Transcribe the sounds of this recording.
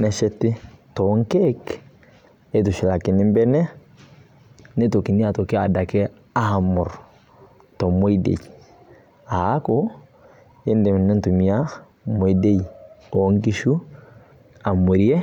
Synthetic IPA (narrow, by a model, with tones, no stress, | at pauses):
nɛ˨ʃɛ˦tːɪ˦tɔ˨˦ŋkɛ˦k | e˦tu˨ʃi˨la˨ki˨nɪ˦mbɛ˦nɛ˦ | nɛ˦to˨ki˨ni˦a˨to˨kɛ˦a̰˨da˨kɛ˦ | a˦˨mʊ˨ɾ | to˨mo˦jdḛ˨j | a˨˦ko˦ | e˦ndɛ˨m˨nɛ˦ntu˨mi˨a˦ | mo˨jde˦jo˨˦ŋki˦ʃu˦ | a˨mu˨ɾi˦e˦